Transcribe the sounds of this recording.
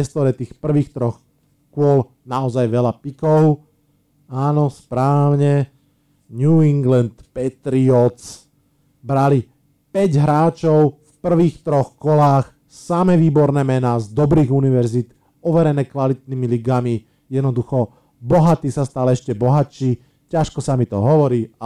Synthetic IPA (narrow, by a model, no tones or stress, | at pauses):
ɛst̪ɔɾɛt̪iːxpr̩ʋiːxt̪ɾɔx | kʊɔl | naɔzajʋɛlapikɔʊ | aːnɔspɾaːʋɲɛ | ɲuiŋɡlɛnt̪pɛt̪ɾiɔt͡s | bɾali | pɛɟɦɾaːt͡ʃɔʊfpr̩ʋiːxt̪ɾɔxkɔlaːx | samɛʋiːbɔɾnɛːmɛnaːzd̪ɔbɾiːɣuniʋɛɾzit̪ | ɔʋɛɾɛnɛːkʋalit̪̚niːmiliɡami | jɛd̪nɔd̪uxɔ | bɔɦat̪iːsast̪alɛʃcɛbɔɦat͡ʃiː | caʃkɔsamit̪ɔ̰ɦɔʋɔɾiːa